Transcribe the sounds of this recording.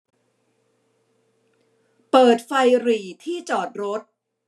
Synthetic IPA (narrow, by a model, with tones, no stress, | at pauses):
pɤː˨˩t̪̚fa˧jɾiː˨˩t̪ʰiː˥˩t͡ɕɔː˨˩t̪̚ɾo˦˥t̪̚